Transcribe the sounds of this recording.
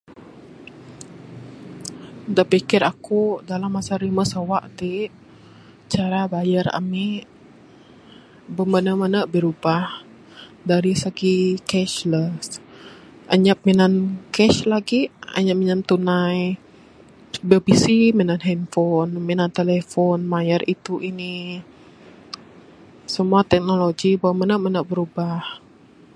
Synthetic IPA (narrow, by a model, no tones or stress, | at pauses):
daʔpikɪɾakudalamːasaɾiməsawaʔt̪i | t͡ʃaɾabajara̰miʔ | bəmbənamanabəɾubah | daɾisaɡikɛʃləs | ʔaɲap̚minankɛʃlaɡia̰ɲap̚minant̪unaj | bibisiminanɦɛmfɔnminant̪elefɔnmajərit̪uʔini | səmuat̪ɛk̚noloɡibəmənəmənəʔbəɾubah